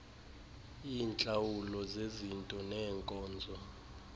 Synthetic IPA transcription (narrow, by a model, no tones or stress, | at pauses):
iːnt͡ɬʼawulɔzezintʼɔnɛːŋkʼɔːnd͡zʱɔ